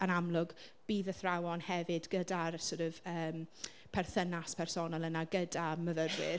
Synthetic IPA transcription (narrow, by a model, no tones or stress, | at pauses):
ənamlˠʊɡb̥iːðəθrawɔnhɛvɨdɡədarsoɾɨvəːm | pʰɛrθənaspʰɛrsɔnalˠənaɡədaməðədwɪr